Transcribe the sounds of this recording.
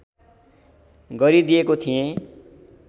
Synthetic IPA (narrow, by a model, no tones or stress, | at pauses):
ɡʌɾid̪ijekot̪ʰijẽ